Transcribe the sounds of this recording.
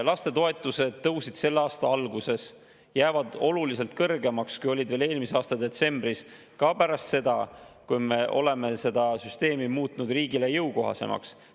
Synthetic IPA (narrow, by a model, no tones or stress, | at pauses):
lɑst̪e̞t̪o̞e̞t̪ːˑuse̞d̪̥̚ːɤwsid̪̥se̞lːeɑːst̪ɑɑlɡuse̞s | jæːvɑd̪o̞lulise̞lt̪̚kɤrɡe̞mɑkskujo̞lʲid̪ve̞ːle̞ːlmiseɑːst̪ɑd̪e̞t̪se̞mbris | kɑpæɾɑst̪se̞d̪̥ɑ̰kujme̞ʔo̞le̞me̞se̞d̪̥ɑsyst̪e̞ːmimuːt̪nud̪riːɡile̞jɤwko̞ɦɑ̰se̞̰mʔɑ̰ks